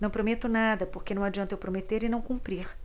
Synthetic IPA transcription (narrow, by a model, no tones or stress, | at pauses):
nɐ̃w̃pɾomet̪ʊnad̪ɐpoɾkenɐ̃w̃ad͡ʒiɐ̃nt̪ewpɾomet̪eɾɪnɐ̃w̃kũpɾiɾ